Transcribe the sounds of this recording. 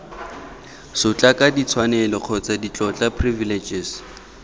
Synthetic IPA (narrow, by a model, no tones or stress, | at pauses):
sʊt͡ɬʼakʼadit͡sʰwanɛlɔq͡χʰɔt͡sadit͡ɬʼɔt͡ɬʼapʰrivilet͡ʃʼɪs